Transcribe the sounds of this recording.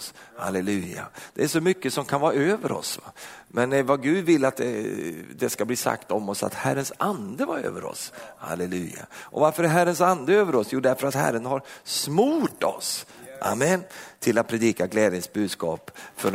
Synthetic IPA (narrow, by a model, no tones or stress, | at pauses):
sha̰lɛlʉ̟ːa̰d̪̥ɛæʂɔmʏkːəsɔmkʰanvɑːɾaøːvəɾɔ̰svamɛnvaɡʉ̟ːd̪vɪlːat̪̚d̪ɛ̰d̪ɛskabliːsa̰kt̪ɔmɔsa̰t̪hæɾːənsand̪əvaɾø̰ːvəɾɔ̰sha̰lɛlʉ̟̰ːja̰ʔɔvaɾfœɾæɾɦæɾəns̬and̪əøːvəɾɔsjuːɖ̪æɾfœɾat̪hæ̰ɾːənhaɾsmuːʈɔ̰sʔa̰mːɛnt̪ʰɪlat̪̚pʰɾɛd̪iːkaɡlɛːd̪jəŋsbʉ̟ːd̪skɑːpfœɾ